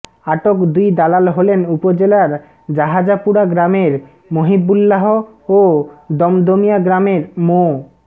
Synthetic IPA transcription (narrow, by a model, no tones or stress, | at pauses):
aʈokd̪ujd̪alalɦolenupod͡ʑelaɾ | d͡ʑaɦad͡ʑapuɾaɡɾameɾ | moɦibulːaɦo | od̪ɔmd̪omijaɡɾameɾmo